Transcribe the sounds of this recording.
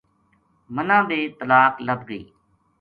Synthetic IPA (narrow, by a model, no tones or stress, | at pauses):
mənãːd̪eːt̪əlaːkləbɡəḭː